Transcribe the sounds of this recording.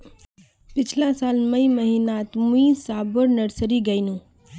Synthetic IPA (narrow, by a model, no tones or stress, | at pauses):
pit͡ʃʰlãsalməjməɦinat̪mĩsabəɾnəɾsəɾiɡəjnũ